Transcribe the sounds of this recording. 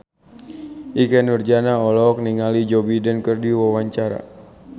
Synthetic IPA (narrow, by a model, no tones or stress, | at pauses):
ʔikɛnurd͡ʒanaɔlɔk̚niŋalid͡ʒɔbidɛnkərdiwawaɲt͡ʃaɾa̰